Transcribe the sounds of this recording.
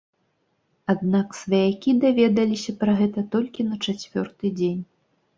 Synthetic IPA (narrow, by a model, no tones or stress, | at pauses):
ad̪̚naksvɐjakʲid̪avʲɛd̪ɐlʲisʲɐpɾɐɣɛt̪ɐt̪ɔlʲkʲinɐt͡ʂat͡sʲvʲɔrt̪ɨd͡zʲenʲ